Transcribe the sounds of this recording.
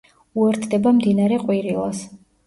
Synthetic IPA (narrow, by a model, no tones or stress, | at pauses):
uɛɾt̪ʰd̪ɛbamd̪inaɾɛqʼwiɾilˠa̰s